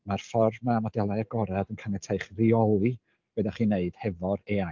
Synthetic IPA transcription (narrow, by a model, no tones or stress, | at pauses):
marfɔrmamɔdɛlˠajaɡɔɾɛðənkʰanɛtʰeɨχriɔlˠi | w̥ɛðaχiːneɨd̥hɛvɔɾea